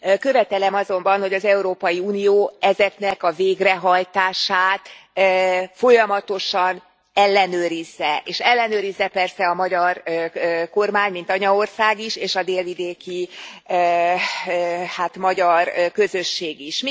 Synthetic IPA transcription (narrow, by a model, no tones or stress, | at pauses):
kø̞vɛt̪ɛlɛmɒzo̞mbɒnho̞ɟɒzɛuɾoːpɒjiuːnijoːɛzɛknɛkɒveːɡrɛɦɒjt̪aːʃaːt̪ | fo̞jɒmɒt̪o̞ʃɒn | ɛlːɛnøːɾizːɛʔeːʃɛlːɛnøːɾizːɛpɛrsɛɒmɒɟɒr | ko̞rmaːɲmint̪ɒɲɒo̞rsaːɡiʃeːʃɒd̪eːlvid̪eːki | haːt̪mɒɟɒrkø̞zø̞ʃːeːɡiʃ